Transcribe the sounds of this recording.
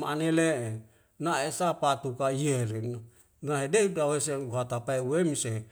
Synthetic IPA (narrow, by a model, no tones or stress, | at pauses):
maaneleʔe | naesapat̪ukaijeɾin | naɦedeudaweseuɦat̪apaeuwemise